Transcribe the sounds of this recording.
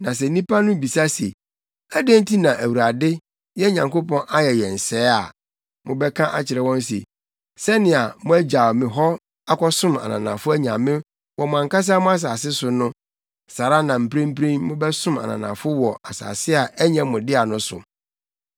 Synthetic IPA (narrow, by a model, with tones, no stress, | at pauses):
nã˨s̬ɛ˨nĩ˦pa˦nʊ̃˦bi˨sa˦se˨ | æ˦dẽ˦n̩˦tʰi˦nã˨ʔæ˨wu˨ɾa˨dɪ˦ | jɛ˦ɲã˨ŋko˦pʰɔ̃˦nʔa˦jɛ˨jɛ˨n̩˨sɛː˦a̰˨ | mʊ̃˦bɛ˦kʰã˦ʔa˦t͡ɕʰɪ˨ɾɛ˨wɔ̃˦n˦sḛ˨ | sɛ˦nɪ̃˨a˨mʊ̃˦æ˦d͡ʑa˨mɪ̃˨ɦɔ˦ | a˦kʰɔ˦sʊ̃˦ma̰˨nã̰˨nã˨fʊ˦æ˦ɲã˨mɪ̃˦ | wɔ˨mʊ̃˨ã˨ŋka˦s̬a˦mʊ̃˦a˦s̬aː˨sɪ˦sʊ˨nʊ̃˦ | sa˨ɾa˦nã˨m̩˨pʰɾẽ˦m˦pʰɾẽ˦nmʊ̃˦bɛ˦sʊ̃˦ma̰˨nã̰˨nã̰˨fʊ˦wɔ˨a˨sa̰ː˨sɪ˦a˨ʔæ˦ɲã˨mʊ̃˨dɪ˦a˨nʊ̃˦sʊ̰˨